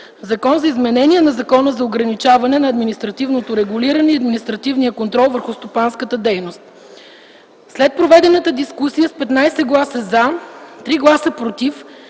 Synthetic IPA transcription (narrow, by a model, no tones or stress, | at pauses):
zɐkɔnzɐizmɛnɛniɛnɐzɐkɔnəzɐoɡɾɐnit͡ʃavɐnɛnɐːd̪minist̪ɾɐt̪ivnot̪oɾɛɡuliɾɐnɛiɐd̪minist̪ɾɐt̪ivnijəkont̪ɾɔlˠvəɾxʊst̪opanskət̪əd̪ɛjnost̪̚ | slɛt̪̚pɾovɛd̪ɛnət̪əd̪iskusijəspɛt̪najsɛɡlˠasəzat̪ɾiɡlˠasəpɾot̪if